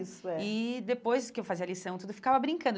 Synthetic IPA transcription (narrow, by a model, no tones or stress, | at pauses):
sʊɛɪd̪epojzd̪ʊkɪewfaziɐlisɐ̃w̃t̪ud̪ʊefikavɐbɾĩŋkɐ̃nd̪